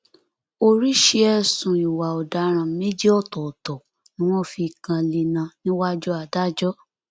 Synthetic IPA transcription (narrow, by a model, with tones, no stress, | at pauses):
o˧ɾi˦ʃe˧ɛ˧sũ˨i˨wa˨ɔ˨da˨˦ɾ̃ã˧˦me˦d͡ʒi˦ɔ˦˨tɔ˨tɔ˨ | nĩ˨˦ɔ̃˦fi˧˨kã˧li˧nã˧nĩ˦wa˦d͡ʒu˦a˧˨da˦d͡ʒɔ˦